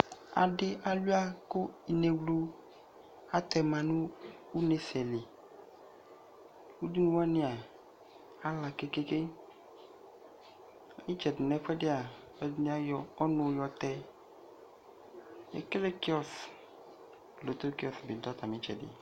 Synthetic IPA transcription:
a̰˨ɖɪ˦ʔa˨lu˦a˦ko˦i˨ne˨wlu˦ | a˦t̪ɛ˨mã˨nũ˦wu˦ne˨sɛ˨le˨ | wu˦di˦nũ˦wa˦nẽ˦a˨ | a˦la˨ke˦ke˦ke˦˨ | mi˦d͡ʒɛ˨dɪ˨nɛ̃˨ɸɛ˦ɖe˦a˨ | e˦dɲ˦a˦jɔ˨ɔ˦nɔ̃˨˦jɔ˨t̪ɛ˦ | ḛ˨ke˦le˦ki˦ɔ˦s | lo˨t̪o˦ki˦ɔ˨sbi˨d̪ɔ˦t̪a˨mĩ˦t͡ʃɛ̰˨dḛ˨

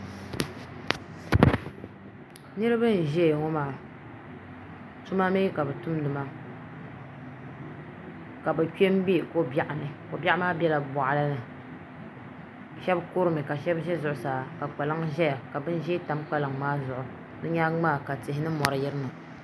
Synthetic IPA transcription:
nɨ˦ɾɨ˦bɨ˦n̩˨ʒɛ˦˨ŋo˦maː˨ | tu˦ma˦me˦ka˨bɨ˨tʊ˦mdɨ˨ma˦ | ka˨bɨ˨ke˦m˦bi˦˨ko˦ba˦ʔa˨nɨ˨ko˨ba˦ʔa˦maː˦bjɛ˦la˨bɔ˨ʔa˨la˦nɨ˨ | ʃɛ˦bko˦ɾɨ˦mɨ˨ka˨ʃɛ˦bʒɛ˦zʊ˨ʔʊ˨saː˨ka˨k͡pa˨lɨ˦ŋʒɛ˦ja˨ka˨bɨ˦n˦ʒɛ˦ta˨˦mk͡pa˦lɨ˨ŋmaː˦zʊ˨ʔʊ˨ | nɨ˦ɲa˦ŋ͡maː˦˨ka˨tɪ˨ɦɪ˦nɨ˦mɔ˨ɾɨ˨jɪ˦ɾɨ˦ma˨

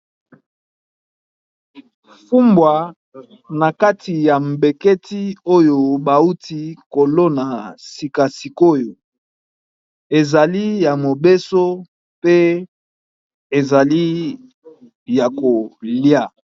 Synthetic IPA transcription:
fu˦mbwa˨ | na˨ka˦ti˨ja˨m˨be˨ke˦ti˦o˦jo˨ba˨u˦ti˦ko˨lo˦na˨si˨ka˨si˨ko˦jo˨ | e˨za˨li˦ja˨mo˨be˦so˦ | pe˦ | e˨za˨li˦ | ja˨ko˨lja˦

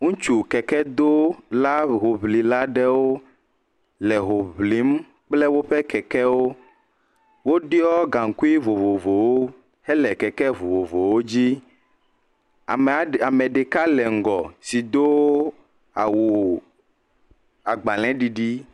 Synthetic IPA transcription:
ŋũ˦t͡ʃu˨kɛ˨kɛ˦d̪o˦la˦ɦo˨βli˨la˦ɖɛ˦wo˦ | lɛ˨ɦo˨βli˨˦m | k͡plɛ˦wo˦ɸɛ˦kɛ˨kɛ˦wo˦ | wo˦ɖi˦ɔ˦ɡa˨ŋ˨ku˦i˦vo˨vo˨vo˨wo˦ | hɛ˦lɛ˨kɛ˨kɛ˦vo˨vo˨vo˨wo˦d͡ʑi˦˨ | a˨mɛ˨ɖe˨ka˦lɛ˨ŋ̩˨ɡɔ˨si˨d̪o˦w | a˨wu˨ | a˨ɡ͡ba˨l̃ɛ̃˨˦ɖi˨ɖi˦

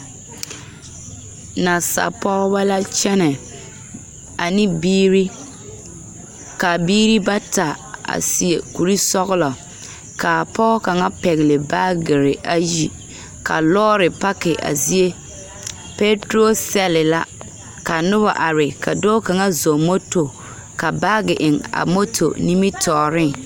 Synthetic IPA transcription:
na˨sa̰˨pɔ˦ɣba˦la˦t͡ʃɛ˦nɛ˨ | a˨nɪ˦biː˦ɾi˦ | ka˨biː˦ɾi˦ba˦ta˨a̰˨si˨e˨ku˨ɾi˦sɔ˦ɣʊ˦lɔ˨ | ka˨pɔ˦ɣka˨ŋa˦pɛ˨ɣɪ˨lɪ˨baː˦ɡɪ˨ɾɪ˨ʔa˦ji˨ | ka̰˨lɔː˦ɾɪ˨pa˦kɪ˨ʔa̰˨zi˦e˦ | pe˦tɾo˦sɛ˦lɪ˨la˦ | ka˨nʊ˦ba̰˨ʔa˨ɾɪ˨ka˨doː˦ka˨ŋa˦zo˨mo˦to˨ | ka˨baː˦ɡɪ˨ʔɪ˨ŋa̰˨mo˦tʰo̰˨ni˦mi˦tʰɔː˨ɾɪ˦˨

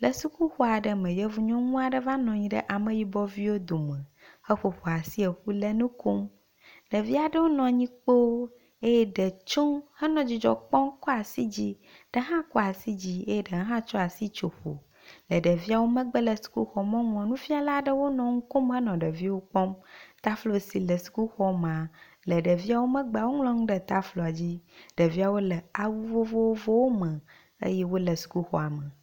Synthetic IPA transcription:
lə˨su˦ku˦xɔ˦a˨ɖə˦mɛ̃˨jɛ˦vu˨ɲɔ̃˦ŋũ˦a˨ɖə˦va˦nɔ̃˨ɲĩ˦ɖə̰˦ʔa˨mə̃˨ji˦bɔ˦vi˦wo˦d̪o˨mɛ̃˨ | hə˦ɸo˨ɸo˨a˨si˦e˨ɸu˦lə˦nũ˦ko˦m | lə˨vi˦a˨ɖə˦wo˦nɔ̃˨ɲĩ˦k͡po˦ | e˦jɛ˦ɖə˨t͡ʃo˦mhə˦nɔ̃˨d͡ʑi˨d͡ʒɔ̰˨k͡pɔ˦mkɔ˦a˨si˦d͡ʑi˦ | ɖ̥ə˦ɦã˦kɔ˦a˨si˦d͡ʑi˦e˦jɛ˦ɖə˨ɦə˦ɦã˦t͡ʃɔ˦a˨si˦t͡ʃo˨ɸo̰˨ | lə˨ɖə˨vi˦a˨wo˦mə̃˦ɡ͡bə˦lə˨su̥˨ku˦xɔ˨mɛ̃˦ŋũ˨a˨nũ˦fi˦a˨la˦ɖə˦wo˦nɔ̃˨ŋũ˦ko˦mɦə˦nɔ̃˨ɖə˨vi˦wo˦k͡pɔ̃˦mt̪a˦flo˦si˨lə˨su̥˨ku˦xɔ˦m˨ã˨ | lə˨ɖə˨vi˦a˨wo˦mə̃˦ɡ͡be˦˨a˨wo˦ŋlɔ̃˦ŋ̃˦ɖə˨t̪a˦flɔ˨a˨d͡ʑi˦ɖ̥ə˨vi˦a˨wo˦lə˨a˨wu˦vo˦vo˦wo˦vo˦wo˦mə̃˨ | ḛ˦jɛ˦wo˦lə˨su̥˨ku˦xɔ̰˨a˨mə̃˨

